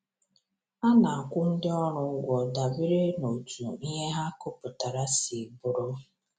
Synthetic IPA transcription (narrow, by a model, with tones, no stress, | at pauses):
a˦na˨ŋ̩˨kʷʊ˦n̩˦dɪ˦ɔ˦ɾʊ˦ɡʷɔ˨da˨bɪ˦ɾe˦no˨tu˨i˦ɦe˦ɦa˦kʊ˦pʊ˨ta˨ɾa˦si˨bʊ˨ɾɔ˦